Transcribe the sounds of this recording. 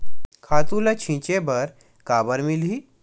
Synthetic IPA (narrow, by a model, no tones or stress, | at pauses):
kʰaːt̪ũlɐt͡ʃʰĩːt͡ʃebəɾ | kaːbəɾmilɦi